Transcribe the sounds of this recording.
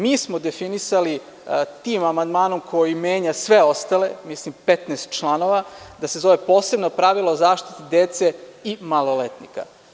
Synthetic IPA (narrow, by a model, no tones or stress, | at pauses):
miːsmo̞d̪efinisali | t̪iːmamand̪maːno̞mkʰo̞jimeːɲasʋeo̞st̪ale̞mislimpet̪nest̪̚t͡ʃlˠano̞ʋad̪ase̞zo̞ʋe̞po̞ːse̞bnopɾaʋilˠaozaːʃt̪i̥t̪id̪eːt̪se̞imalˠolet̪nḭka̰